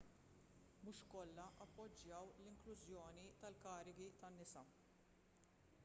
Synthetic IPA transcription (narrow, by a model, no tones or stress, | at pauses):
mʊʃkɔlːɐʔɐpːɔd͡ʒːjɐwlɪŋklʊzjɔːnit̪ɐlkɐːɾɪɡit̪ɐnːɪsɐ